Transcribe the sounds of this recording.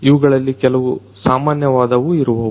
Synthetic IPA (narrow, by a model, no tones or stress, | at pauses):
iʋɐɡɐɭɐlːikɛlɐʋu | saːmaːnjɐʋaːd̪ɐʋuiɾuʋɐ